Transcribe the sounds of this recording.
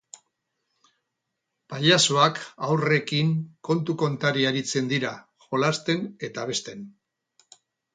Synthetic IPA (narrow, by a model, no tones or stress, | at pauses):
paʎaso̞akawre̞kiŋko̞nt̪uko̞nt̪aɾiaɾit͡se̞nd̪iɾa | xo̞last̪e̞ne̞t̪aβe̞st̪e̞n